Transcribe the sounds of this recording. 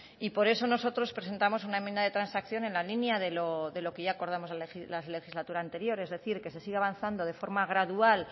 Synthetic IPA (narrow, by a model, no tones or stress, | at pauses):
ipo̞ɾe̞so̞no̞so̞t̪ɾo̞spɾe̞se̞nt̪amo̞s̬unae̞mjend̪aðe̞t̪ɾansakθjo̞ne̞nlalinjaðe̞loðe̞lo̞keʝaːko̞ɾðamo̞zlalilale̞xizlat̪uɾaːnt̪e̞ɾjo̞ɾe̞zðe̞θiɾke̞se̞siɣeaβanθand̪o̞ð̞e̞fo̞ɾmaɣɾaðual